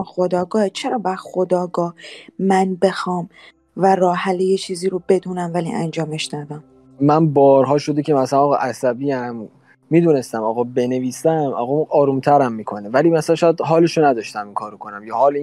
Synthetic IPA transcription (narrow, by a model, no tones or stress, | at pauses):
xo̞d̪ɒːɡɒːhet͡ʃʰe̞ɾɒːbæɾxo̞d̪ɒːɡɒːhmænbe̞xɒːm | væɾɒːhælejet͡ʃʰiːziːɾobe̞d̪uːnæmvælḭːʔæ̰nd͡ʒɒːmeʃd̪ɒd̪æm | mænbɒːɾɦɒːʃo̞d̪ecʰemæsælænɒːɣʔæsæbiːæmː | iːd̪uːne̞st̪æmɒːɣɒbeneviːsæmɒ̰ːɣɒʔɒːɾumt̪ʰæɾæmːiːkʰo̞nevælimæsælænʃɔjæd̪ɦɒːleʃonæd̪ɒːʃt̪æmiŋkʰɒːɾokʰonæmjɒːhɒːl